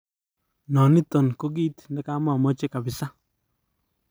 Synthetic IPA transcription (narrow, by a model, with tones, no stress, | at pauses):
nɔ˨nɪ˦tɔ˨nko˦ɡiː˦t̪nɛ˦ka˦ma˦˨mɔ˦t͡ʃe˦ka˨bɪ˨sa˦